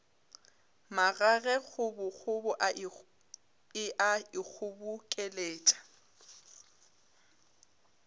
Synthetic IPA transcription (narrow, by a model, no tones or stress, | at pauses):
maɣaɣɛɣʊbʊk͡xʰʊbʊʔa | ɪʔaɪk͡xʰʊbʊkʼɛleːtʼḁ